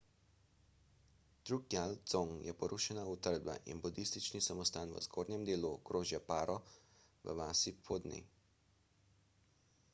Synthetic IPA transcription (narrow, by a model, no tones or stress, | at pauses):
t̪ɾukjalzoŋjɛpɔɾʔuʃɛnaut̪əɾd̪ba̰ʔḭnbud̪ist̪it͡ʃnisamɔst̪aːnʋə̰zɡoːɾnʲɛmd̪eːluɡɾoːʒjapaːɾʔɔ | ʋə̰ʋaːsipʰoːd̪nḭ